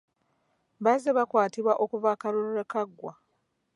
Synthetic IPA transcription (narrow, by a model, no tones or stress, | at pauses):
βazeβakwaːtiβwaʔokuvakaluɾuɾekaɡːwa